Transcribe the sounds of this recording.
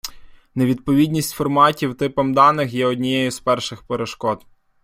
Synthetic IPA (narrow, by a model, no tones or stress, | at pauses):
neʋʲid̪̚pɔʋʲid̪ʲnʲisʲtʲfɔrmɑtʲiwt̪ɪpɔmd̪ɑnɪxjɛɔdʲnʲijɛjʊspɛrʃɪxpeɾeʃkɔt̪